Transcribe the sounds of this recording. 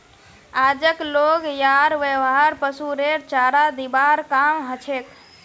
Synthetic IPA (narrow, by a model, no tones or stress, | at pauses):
ad͡ʒəkloɡjaɾʋəʋɦɦaɾpəsuɾeɾt͡ʃaɾad̪ibaɾkamɦət͡ʃʰek